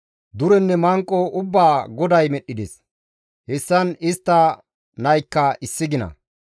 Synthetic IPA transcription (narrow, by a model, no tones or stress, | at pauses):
d̪ʊɾɛnːɛmɐŋkʼːɔʔʊbːaːɡɔd̪ɐjmɛɗːɪd̪es | hɛsːɐnɪst̪ːɐ | nɐjkːɐɪsːɪɡɪnɐ̰